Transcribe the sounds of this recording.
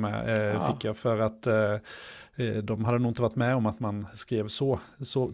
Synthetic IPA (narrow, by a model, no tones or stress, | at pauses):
mɛ̰fɪkːjɑfœɾat̪ː | d̪ɔmɦad̪ːənuːɪnt̪əʋaʈːmɛɔmat̪manskɾiːvsɔsɔ